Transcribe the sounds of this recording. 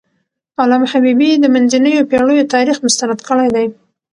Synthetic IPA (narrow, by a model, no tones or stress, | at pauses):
ɑlamhabibid̪əmanzinəjopeɽəjot̪ɑɾixmʊst̪anad̪kəɽajd̪aj